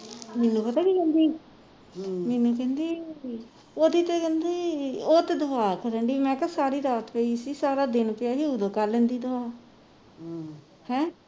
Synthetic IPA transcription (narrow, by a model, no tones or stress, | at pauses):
mɛːnːũːpət̪aːkiːkɛ̃ːnd̪iː | mɛːnːũːkɛ̃ːnd̪iː | oːd̪it̪eːkɛ̃nd̪eːoːt̪eːd̪əʋaːkəɾəɳɖiːmɛ̃ːkasaːɾiːɾaːt̪peiːsiːsaːɾaːd̪ɪnpɪjaːɦiːud̪əːkaɾlẽnd̪iːd̪əaː | hɛ̃ː